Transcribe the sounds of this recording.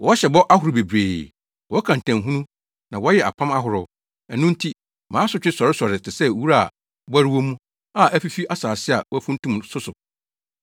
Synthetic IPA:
wɔ˦ɕɛ˨bɔ˦ʔa˦hʊ˨ɾɪ˨be˨bɾeː˨ | wɔ˦kʰã˨n˨tʰæ̃˨ɦũ˦nũ˦ | nã˨wɔ˦jɛ˨ʔa̰˨pʰã˦ma˦ɦʊ˨ɾʊ˨˦ | ɛ˨nũ˦n̩˦tʰi˦ | mãː˨˦sʊ˨˦t͡ɕᶣɪ˦sɔ˨ɾɪ˦sɔ˨ɾɪ˨tɪ˨sɛ˦˨wu˦ɾa˦˨ | bæ˦ɾɪ˦wɔ˦mũ˦ | a˦˨ʔæ˦fi˦fi˦ʔa˦saː˨sɪ˦a̰˨wɔ˦æ˦fũ˦n˦tũ˦msʊ˦sʊ˨

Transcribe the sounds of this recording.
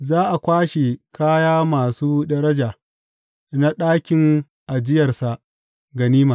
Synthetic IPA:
zaː˦ʔa˨kʷaː˦ʃe˨kʰaː˦jaː˦maː˨suː˦dɐ˦ɾɐ˦d͡ʒa˨ | na˦ɗaː˦kʲɪ˨˦ŋ | ʔa˨d͡ʒɪ˦jɐ˨rsa˨ʔ | ɡɐ˨niː˦maː˨

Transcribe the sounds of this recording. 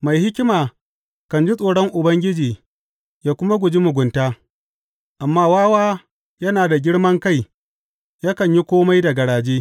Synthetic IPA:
ma˨jhɪ˦kʲɪ˦maː˨ | kɐ˨nd͡ʒi˦sʼoː˨ɽɔ˦ŋʔʊ˨bɐ˦ŋɡʲɪ˦d͡ʒiː˨ | jaː˦kʷʊ˦ma˦ɡʷʊ˨d͡ʒi˦mʊ˨ɡʷʊ˨ntaː˦ | ʔa˨mːaː˦waː˦waː˦ | jɐ˦naː˨da˨ɡʲɪ˦ɽmɐ˦ŋka˦˨j | jaː˦kɐ˨ɲji˦kʷoː˦ma˦jda˨ɡɐ˨ɽaː˨d͡ʒeː˦

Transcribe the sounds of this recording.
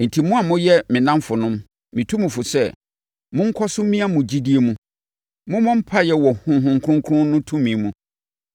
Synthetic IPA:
n̩˨tʰi˨mũ˦a˨mʊ̃˦jɛ˦mɪ̃˨nã˦mfʊ˨nʊ̃˦m | mĩ˨tʰũ˦mũ˨fʊ˨sɛ˦ | mʊ̃˦ŋ̩˦kʰɔ˦sʊ˦mĩ˦a˦mʊ̃˨d͡ʑi˦di˦e˨mũ˦ | mʊ̃˦mʊ̃˦m̩˦pʰa˦jɛ˨wɔ˨hʊ̃˨ɦʊ̃˨ŋkʰɾʊ̃˦ŋkʰɾʊ̃˦nʊ̃˦tʰũ˦mĩ˨mũ˨

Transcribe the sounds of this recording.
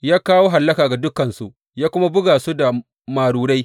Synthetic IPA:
jaː˦kaː˦woː˦ɦa˨lːɐ˦kaː˨ɡa˨dʊ˦kɐ˨nsu˦ | jaː˦kʷʊ˦ma˦bʊ˦ɡaː˨su˦da˨ | maː˨ɽuː˨ɽa˦j

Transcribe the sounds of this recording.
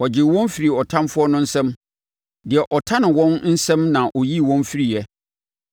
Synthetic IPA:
wɔ˨d͡ʑɪ˨wɔ̃˦n˦fi˨ɾi˨ɔ˨tʰã˦mfʊ˦ɔ˦nʊ̃˦n̩˦sɛ̃˦m | dɪ˨ɛ˨ʔɔ˨tʰa˦nɪ̃˨wɔ̃˦nn̩˦sɛ̃˦mnã˨ʔɔ˨ji˦˨wɔ̃˦nfi˦ɾi˨jɛ˦

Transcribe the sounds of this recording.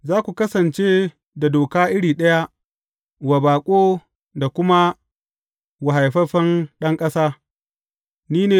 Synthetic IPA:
zaː˦kʷu˨kɐ˦sɐ˨nt͡ʃeː˦ | da˨doː˨kaː˦ʔɪ˦ɽiː˨ɗɐ˦ja˦ | wa˨baː˨kʷʼoː˦ | da˨kʷʊ˦ma˦ | wa˨ɦa˨jɸɐ˦ɸɐ˦nɗɐ˦ŋkʼɐ˦saː˦ | niː˦neː˨

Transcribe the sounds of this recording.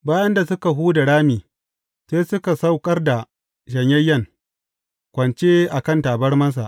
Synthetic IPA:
baː˦jɐ˦nda˨sʊ˦ka˨ɦuː˦da˨ɽaː˦miː˨ | seː˦sʊ˦ka˨sa˦wkʼɐ˦rda˨ | ʃɐ˨ɲjɐ˦jːɐ˦˨ŋ | kʷɐ˨nt͡ʃeː˦ʔa˨kɐ˦˨ntaː˨bɐ˦rmɐ˦ns̬a̰˨ʔ

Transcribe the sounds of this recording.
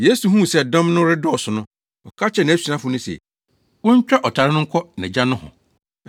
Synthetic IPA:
je˦su˨ɦũ˦˨sɛ˦˨dɔ̃˦mnʊ̃˦ɾɪ˦dɔ˦˨sʊ˨nʊ̃˦ | ɔ˨kʰa˦t͡ɕʰɛ˦˨nã˨æ˦su˨ɾã˦fʊ˨nʊ̃˦sɛ̰˨ | wʊ̃˦ɲ˦t͡ɕᶣa˦ʔɔ˨tʰa˨ɾɪ˦nʊ̃˦ŋ̩˦kʷʰɔ˦nã̰˨d͡ʑa˦nʊ̃˦hʊ̰̃˨

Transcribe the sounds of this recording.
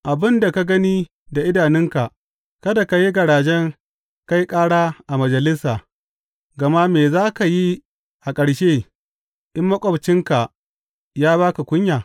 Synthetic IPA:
ʔa˨bɪ˦nda˨ka˦ɡɐ˦niː˦ | da˨ʔɪ˦daː˨nɪ˦ŋka˨ | kɐ˦da˨ka˨ji˦ɡɐ˨ɽaː˨d͡ʒɛ˦ŋ | ka˦ji˦kʼaː˦ɽaː˦ʔa˨mɐ˨d͡ʒɐ˨lɪ˦saː˨ | ɡɐ˨ma˦meː˨zaː˦ka˨ji˦ | ʔa˨kʼɐ˨ɽʃeː˦ | ʔɪ˦mːɐ˦kʷʼɔ˨bt͡ʃɪ˦ŋka˨ | jaː˦baː˦ka˨kʷʼʊ˦ɲjaː˨

